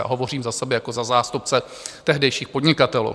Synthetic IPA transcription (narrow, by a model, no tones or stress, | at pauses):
a̰ɦo̞vo̞riːmzasɛbɛjako̞zazaːst̪up̚t͡sɛ | t̪ɛɦdɛjʃiːxpo̞dɲɪkat̪ɛlṵ